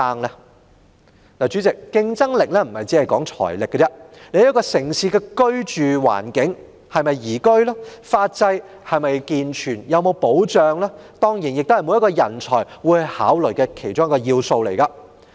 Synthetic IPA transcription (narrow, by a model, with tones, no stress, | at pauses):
aː˧ŋla˧ | naː˨˩t͡ʃyː˨˥t͡sɪ˨kːɪ˧ŋt͡sɐ˥ŋlɪ˨k̚lɛː˥m̩˨˩mhɐ˨˩jt͡siː˨˥hɐ˨jkɔː˨˥ŋt͡sʰɔ̰ː˨˩jlɪ˨kːɛ˧t͡sɛ˥ne˨˧˥jkɔː˧sɪ˨˩ŋsiː˧kɛː˧kɵ˥ɥt͡ʃyː˨wa̰ː˨˩nkɪ˨˥ŋ | hɐ˨jmɐ˨jːiː˨˩kɵ˥ɥlaː˥faː˧t̚t͡sɐ˧j | hɐ˨jmɐ˨jkiː˨nt͡ʃʰyː˨˩njɐ˨wmo˨˧wpo˨˥wt͡ʃœː˨ŋlaː˥t̪ɔː˥ŋjiː˨˩njɪ˨k̚t̪o˥whɐ˨jmu˨˧jɐ˥kɔː˧jɐ˨˩nt͡ʃʰɔː˨˩jwu˨˧˥hɐ˨˧jhaː˨˥wlɵ˨˩ɥkɛ˧kʰe˨˩jt͡ʃʊ˥ŋjɐ˥kɔː˧jiː˧wso˧wlḛ˨˩jkɐ˧